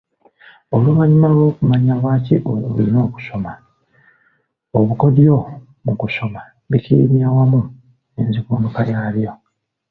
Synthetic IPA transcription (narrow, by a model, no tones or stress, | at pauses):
oluβaɲimalo̞ːkumaɲaβaːciʔolḭno̞ːku̥so̞ma | oβuko̞djo | mukuso̞ma | βikiḭmiawamu | enzikuːndokajaːljo